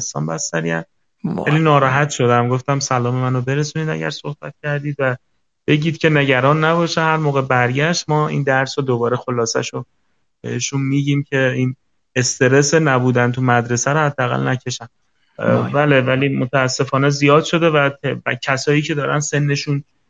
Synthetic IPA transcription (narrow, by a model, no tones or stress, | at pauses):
st̪ɒ̰ːnbæst̪æɾiæm | æ̰liːnɒːɾɒːɦæt̪ʃo̞d̪æmɡo̞ft̪æmsælɒːme̞mænobe̞ɾesuːniːd̪æ̰ɟæ̰ɾsohb̥æ̰t̪̚cʲʰæɾd̪iːd̪væ | b̥e̞ɟiːd̪̚cʰʲe̞ne̞ɟæɾɒːnːæbɒːʃehæɾmoːɣe̞bæɾɟæʃt̪̚mɒːḭːnd̪æɾsod̪obɒːɾe̞xo̞lɒːsæ̰ʃo | beiʃunmiːɟiːmcʰe̞iːn | est̪ʰe̞ɾesenæbuːd̪ænt̪ʰumæd̪ɾe̞sæɾohæd̪ːeæɣæ̰lnæcʰe̞ʃæm | væːle̞væliːmot̪ʰæːsːe̞fɒːne̞zijɒːd̪ʃo̞d̪e̞væt̪ʰcʰæsɒːiːcʰe̞d̪ɒːɾænse̞nːe̞ʃuːn